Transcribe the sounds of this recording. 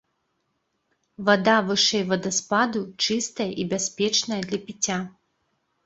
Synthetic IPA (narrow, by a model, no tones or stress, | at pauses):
vad̪avɨʂɛjvɐd̪ɐspad̪ut͡ʂɨst̪ɐjɐʔibʲasʲpʲɛt͡ʂnɐjɐd̪lʲɐpʲit͡sʲa